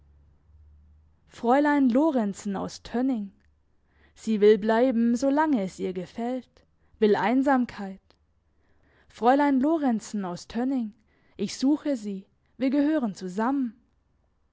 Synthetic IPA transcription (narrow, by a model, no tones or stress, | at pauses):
fʁ̥ɔʏlaɪnloːʁɛnt͡sn̩a̰ʊstʰœnɪŋ | z̥iːvɪlblaɪbm̩zoːlaŋəɛsʔiːɐɡəfɛlt | v̥ɪlʔa̰ɪnzaːmkʰaɪt | fʁ̥ɔʏlaɪnloːʁɛnt͡sn̩aʊstʰœnɪŋ | ʔɪçz̥uːxəziː | viːɐɡəhøːʁənt͡suzamən